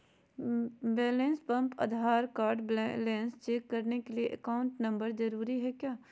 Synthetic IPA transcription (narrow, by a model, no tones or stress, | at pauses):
bɛːlẽːnspɐ̃mpɐ̰d̪ʱaːɾkaːɾɖblleːnst͡ʃeːkːɐɾnekelieʔɐkaːʊ̃ɳʈnɐ̃mbəɾd͡ʒɐɾuːɾiɦɛkjaː